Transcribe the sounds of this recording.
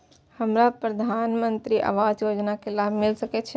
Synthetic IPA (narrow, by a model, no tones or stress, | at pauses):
həmɾapɾəd̪ʱanmənt̪ɾiʔə̰ʋad͡ʒjod͡ʒnakelabʱmɪlsəkɛt͡ʃʰɛ